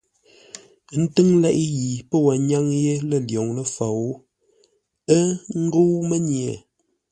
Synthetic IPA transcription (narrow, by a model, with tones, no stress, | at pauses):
n̩˦tɨ˦ŋlɛ˦ʔi˦ji˨pə˦wa˨ɲa˦ŋje˦lə˦˨ljɔ˨ŋlə˦fa˨wu˦ | ə˦ŋ̩˦ɡo˦wmə˦ɲ˨e˨